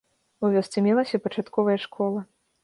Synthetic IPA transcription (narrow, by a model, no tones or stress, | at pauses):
uvʲɔst̪sʲɛmʲɛlˠɐsʲɐpɐt͡ʂat̪kɔvɐjɐʂkʰɔlˠɐ